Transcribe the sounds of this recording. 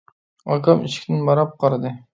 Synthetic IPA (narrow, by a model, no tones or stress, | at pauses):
ɑkɑmiʃkʲʰɪnɪnbɑɾɑp̚qʰɑɾd̪ɨ